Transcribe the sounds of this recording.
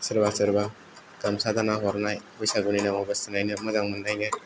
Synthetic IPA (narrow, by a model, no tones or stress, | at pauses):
səɾbasɯɾba | ɡamsad̪anaɦɔɾnajbɔjsaɡuninaŋɔbʌstinajnɯmɔzaŋmɯndajnɯ